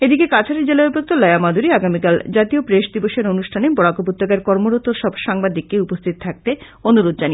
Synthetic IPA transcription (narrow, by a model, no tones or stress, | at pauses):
ed̪ikekat͡ɕʰaɾeɾd͡ʑelaubʱok̚t̪olɔjamad̪ʱuɾiaɡamikald͡ʑat̪iopɾeʃd̪iboʃeɾonuʃʈʰanebɔɽakopot̪ːokaɾkɔɾmoɾot̪oɾʃɔbʃaŋbad̪ikːeupost̪ʰit̪ot̪ʰak̚t̪e | onuɾod̪̚d͡ʑani